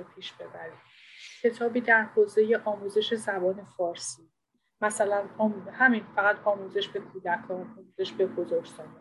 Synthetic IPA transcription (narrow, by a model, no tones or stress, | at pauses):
pʰiːʃb̥e̞bæɾim | cʰe̞t̪ʰɒːbiːd̪æɾhoːze̞je̞ʔɒːmuːze̞ʃe̞zæbɒːne̞fɒːɾsiː | mæsælænɒːmhæmiːnfæɣæt̪ʰɒːmuːze̞ʃbe̞kʰuːd̪ækʰɒːnɒːmuze̞ʃbe̞ɡozɒɾzɒd̪e